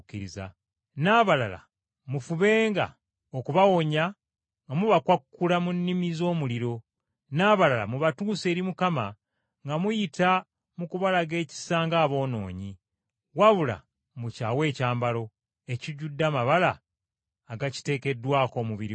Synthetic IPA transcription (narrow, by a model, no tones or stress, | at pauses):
kːiɾiza̰ | naːβalala̰ | mufuβe̞ːŋɡa̰ | okuβawo̞ɲa | ŋɡamuβakwakːulamunːimizo̞ːmuliɾo̞ | naːβalala̰muβatuːse̞ːɾimukama | ŋɡamujita | mukuβalaɡe̞ːci̥saːŋɡaːβo̞ːno̞̰ːɲi | waβula̰ | mucaːwe̞ːcaːmbalo̞ | e̞ciɟudːamaβalaː | ɡaci̥te̞ːke̞dːwaːko̞ːmuβiɾi